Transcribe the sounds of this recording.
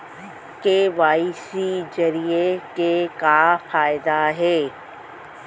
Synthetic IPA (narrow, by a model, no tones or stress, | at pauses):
keʋaːisizɐɾiekekaːfaːɪd̪aɦeː